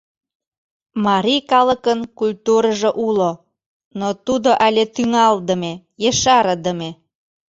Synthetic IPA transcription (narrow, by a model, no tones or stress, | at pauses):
mɑɾijkɑləkənkulʲt̪uɾəʒeʔulo | not̪ud̪oʔælʲet̪yŋɑld̪ə̆me | jeʃɑɾə̆d̪əme